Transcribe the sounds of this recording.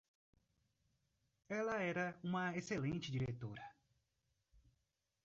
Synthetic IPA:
ɛlɐɛɾɐũmɐeselẽnt͡ʃɪd͡ʒiɾet̪oɾɐ

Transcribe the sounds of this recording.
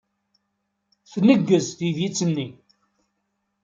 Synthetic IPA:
θnəɡːəzθiðjit͡sːənːi

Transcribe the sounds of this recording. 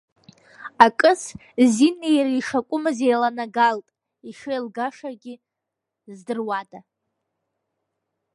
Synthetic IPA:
akʼɨs | zinejriʂakʷʼʊmɨzejlanaɡaltʼ | iʂejlɡaʂaɡʲɪ | zdɨrwada

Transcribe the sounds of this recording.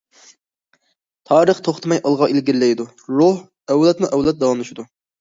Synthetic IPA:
t̪ʰɑːɾəχt̪ʰoχt̪ʰɨmɑjʔɑlˠʁɑʔelɡʲiɾlɛjd̪u | ɾoh | ɛwlɛt̪muʔɛwlˠɛt̪̚d̪ɑlˠɑnuʃid̪u

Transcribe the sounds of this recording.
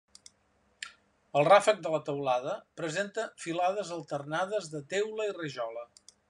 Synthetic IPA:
əlˠrafək̚d̪ələt̪əwlaðəpɾəzent̪əfilaðəzəlˠt̪ərnaðəzðət̪ewləirəʒɔlə

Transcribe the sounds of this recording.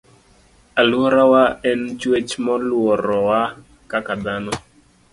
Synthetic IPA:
alwɔɾawaɛnt͡ʃwet͡ʃmɔlwɔɾɔwa | kakad̪anɔ

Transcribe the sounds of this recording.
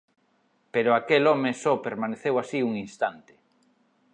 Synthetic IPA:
peɾoakelɔmesɔpeɾmaneθewasiuŋinst̪ant̪e̥

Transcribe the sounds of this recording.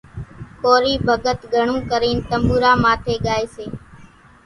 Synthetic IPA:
koːɾiːbʱəɠət̪ɡʱəɳũːkəɾiːnt̪əmbuːɾaːmaːt̪ʰeːɡaːeːseː

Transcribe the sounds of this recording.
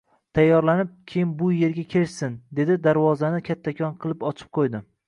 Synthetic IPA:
t̪ʰajːɒɾlanɪp̚kʲʰejɪmbʊje̞ɾɡʲakʲʰe̞ɾʃsɪnd̪e̞d̪ɪd̪aɾvɒzanɪkʲʰat̪ʰːakʲʰɒnqʰɨlˠɪpɒt͡ʃʰɪ̥p̚qʰojd̪ɪ

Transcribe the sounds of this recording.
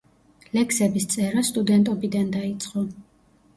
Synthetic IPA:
lɛksɛbist̪sʼɛɾast̪ʼud̪ɛnt̪ʼɔbid̪and̪ait̪sʼqʼɔ

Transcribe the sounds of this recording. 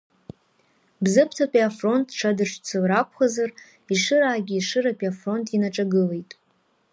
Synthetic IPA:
bzɨpʰtʰapʼiafro̞ntʼʈ͡ʂʰadɨʂt͡sʰɨlrakʷʰχazar | iʂɨɾaːɡʲiːʂɨɾapʼiafro̞ntʰʼinaʈ͡ʂʼaɡɨle̞jtʼ

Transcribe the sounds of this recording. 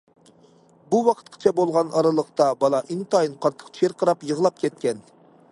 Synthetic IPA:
buwɑqʰə̥t̪̚qʰə̥t͡ʃʰɛbolˠʁɑnɑɾɨlˠəqt̪ɑbɑlˠɑʔint̪ɑjinqʰɑɾt̪ʰːə̥qt͡ʃ̪ʰeɾqʰəɾɑpjəʁlˠɑp̚kʲʰɛt̪̚kʲɛn

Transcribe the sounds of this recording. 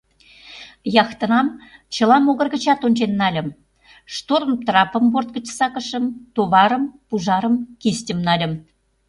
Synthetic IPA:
jɑxt̪ə̆nɑmt͡ɕə̆lɑmoɣə̆rɣə̆t͡ɕɑt̪onʲt͡ɕenːɑlʲə̆m | ʃt̪oɾəmt̪rɑpə̆mbort̪̚ɡə̆t͡ɕsɑkəʃə̆mt̪oβɑɾə̆mpuʒɑɾəmkist̪ʲəmnɑlʲə̆m

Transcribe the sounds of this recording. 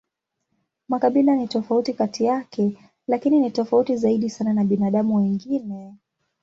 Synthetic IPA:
makaɓilanitɔfautikatijakɛ | lakininitɔfautizaiɗisananaɓinaːɗamuwiŋɡinɛ

